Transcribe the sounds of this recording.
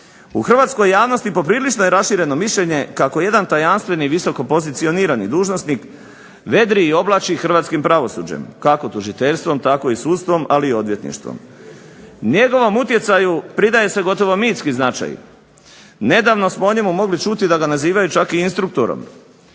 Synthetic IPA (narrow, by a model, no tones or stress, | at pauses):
uxr̩ʋaːt̪sko̞jːaːʋnost̪ipo̞pɾiːlit͡ʃnojeɾasʃiːɾe̞no̞miʃʎe̞ɲe̞kako̞je̞d̪ant̪ajanst̪ʋe̞niʋiso̞ko̞po̞zit̪sio̞niːɾanḭd̪uːʒnosnik | ʋe̞d̪ɾiːo̞blˠaːt͡ʃixr̩ʋaːt̪skimpɾaʋo̞sṵːd͡ʑḛmkako̞t̪uʒit̪e̞ʎst̪ʋo̞mt̪ako̞isuːt̪st̪ʋo̞maliːo̞d̪ʋje̞t̪nḭʃt̪ʋo̰m | ɲe̞ɡo̞ʋo̞mut̪je̞t̪sajupɾid̪aje̞se̞ɡo̞t̪o̞ʋo̞miːt̪skiznat͡ʃa̰j | ne̞d̪aːʋno̞smoo̞ɲe̞mumo̞ɡlit͡ʃut̪id̪aɡanaziːʋajut͡ʃakiinst̪ɾuk̚t̪oɾo̰m